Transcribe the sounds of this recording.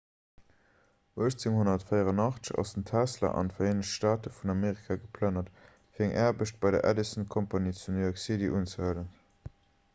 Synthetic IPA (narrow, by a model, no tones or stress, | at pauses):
uəʃt͡seŋhonɐtfəɪəʁɑnɑχt͡səɕʃɑ̰səntʰæslɐ̰ʔɑ̰ndəfɐeːnəɕtʃtaːtəfunɑmeːʁikʰaɡəpʰlænɐt | fiːɐæŋʔæːɐbəʃt̚b̥ɑɪdɐ̰ʔæ̰disənkʰompaniːt͡sundiɔksidiʔuːnt͡səhələn